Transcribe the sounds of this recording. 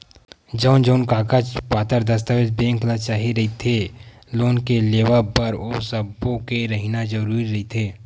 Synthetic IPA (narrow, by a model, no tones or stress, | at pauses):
d͡ʒəʊnd͡ʒəʊnkaːkat͡ʃpaːt̪əɾd̪ɐs̬t̪aʋed̪bẽːŋklat͡ʃaːɦiɾɐɦit̪ʰe | loːnkeleːʋapɐɾosɐbõkeɾɐɦinad͡ʒɐɾuːɾiɾɐɦit̪ʰeː